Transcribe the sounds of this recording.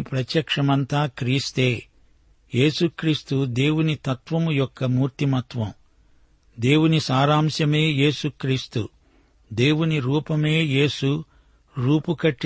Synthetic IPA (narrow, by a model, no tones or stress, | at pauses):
pɾɐt̪jɐkʂɐmɐnt̪aːkɾiːst̪e̞ː | je̞ːsukɾiːst̪ud̪e̞ːwunit̪ɐt̪ʋɐmujɔkːɐmuːɾt̪imɐt̪ʋɐm | d̪e̞ːwunisaːɾaːmsjɐme̞ːje̞ːsukɾiːst̪ṵ | d̪e̞ːwuniɾuːpɐme̞ːje̞ːsu | ɾuːpukɐʈː